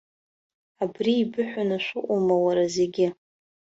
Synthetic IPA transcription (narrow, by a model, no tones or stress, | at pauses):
abriːbɨħʷanaʃʷʊʔʷʼumawaɾaze̞ɡʲɪ